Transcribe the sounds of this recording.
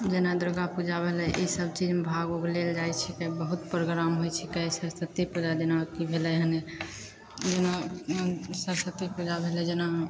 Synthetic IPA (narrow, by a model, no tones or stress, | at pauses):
d͡ʒenad̪ɾoɡapud͡ʒabʱelɛʔisəb̚t͡ʃid͡ʒmebʱaɡoɡleld͡ʒajt͡ʃʰɛkɛbəɦut̪pɾoɡɾamɦojt͡ʃʰɛkɛisəɾsət̪ipud͡ʒad͡ʒenakibʱelɛɦəne | d͡ʒena | səɾsət̪ːipud͡ʒabʱelɛd͡ʒena